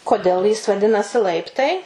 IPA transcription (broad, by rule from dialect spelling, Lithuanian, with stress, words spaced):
koːˈdʲeːlˠ jɪs ʋɐˈdʲɪnɐsʲɪ ˈlˠɐɪptɐɪ